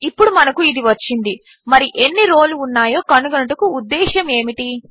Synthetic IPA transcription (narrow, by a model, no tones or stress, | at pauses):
ipːuɽumɐnɐkuid̪iʋɐt͡ʃːind̪i | mɐɾiʔe̞nːiɾo̞ːluːnːaːjo̞ːkɐnuɡɐnɐʈɐkuːd̪ːɛːʃɐme̞ːmiʈi